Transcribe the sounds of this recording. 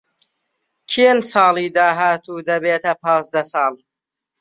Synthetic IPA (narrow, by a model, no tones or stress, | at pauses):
kʰielsɑːliːd̪aːɦaːt̪ʰuːd̪ɐbeːt̪ʰɐpʰɑ̃ːzd̪ɐsɑːl